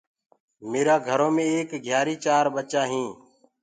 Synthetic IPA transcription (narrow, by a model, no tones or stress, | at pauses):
meːɾaːɡʱəɾoːmẽːeːkɡʱjaːɾiːt͡ʃaːɾɓət͡ʃaːɦĩː